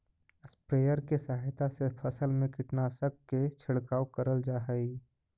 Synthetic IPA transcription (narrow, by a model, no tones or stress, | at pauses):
ɪspɾeːjəɾkesaːɦɪt̪ʰasepʰəsəlmẽkɪʈnaːsəkːet͡ʃʰɪɽkaːwkəɾəld͡ʒaːɦɛi